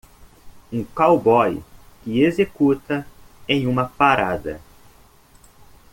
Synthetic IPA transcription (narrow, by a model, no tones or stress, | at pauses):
ũkawbɔjkɪezekut̪ɐẽj̃ũmɐpaɾad̪ɐ̰